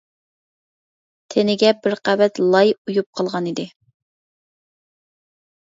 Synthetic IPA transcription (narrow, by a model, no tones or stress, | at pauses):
t̪ʰenɪɡʲɛbɪɾqævɛt̪lˠɑjujup̚qʰɑlˠʁɑnid̪ɪ